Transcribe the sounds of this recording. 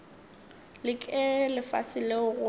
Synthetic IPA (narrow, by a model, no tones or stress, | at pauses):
lɪkʼɪlɪfa̰sɪleʊɣʊ